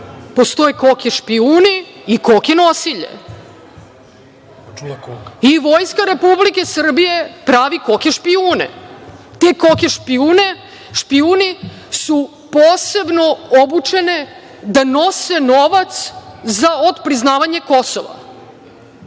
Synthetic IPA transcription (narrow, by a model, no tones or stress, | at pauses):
po̞st̪o̞jekokeʃpiuːniːkokenosiʎḛ | iʋo̞jskaɾe̞publike̞sr̩bije̞pɾaːʋiko̞kʲeʃpiuːnḛt̪ekokeʃpiuːne | ʃpiuːni | su | poːse̞bno̞obut͡ʃe̞ne̞ | d̪ano̞se̞noʋat̪szaod̪pɾiznaːʋaɲe̞ko̞so̰ʋa̰